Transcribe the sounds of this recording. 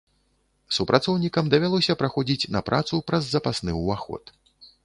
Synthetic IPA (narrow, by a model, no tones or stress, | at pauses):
supɾʔat̪sɔwnʲikɐmd̪ɐvʲalˠɔsʲɐpɾaxɔd͡zʲit͡sʲnɐpɾat̪supɾɐzːɐpasnɨwvaxɔ̰t̪